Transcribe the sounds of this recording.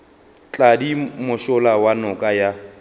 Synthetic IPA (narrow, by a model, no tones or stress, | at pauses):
t͡ɬʼadimʊʃʊlawanʊkʼaja